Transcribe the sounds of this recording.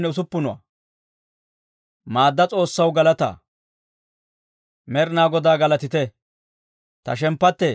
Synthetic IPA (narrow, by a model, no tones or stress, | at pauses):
nːɛʊs̬ʊpːʊnʊwa̰ | maːd̪ːɐt͡sʼo̞ːsːɐwɡɐlɐt̪a̰ | mɛɾnaːɡɔd̪aːɡɐlɐt̪ɪt̪ɛ | t̪ɐ̰ʃɛmpːɐt̪ːɛ